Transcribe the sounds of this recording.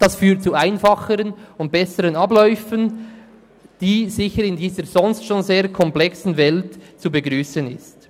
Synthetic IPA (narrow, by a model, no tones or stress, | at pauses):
d̥ɑsfyːɐtt͡suaɪnfɑχəɾənʊnt̚b̥ɛsəɾənɑblɔʏfən | d̥iːzɪçəɾɪndiːzəɾzɔnstʃoːnzeːɐɾkʰɔmplɛksn̩vɛltt͡subəɡʁyːsənɪ̰st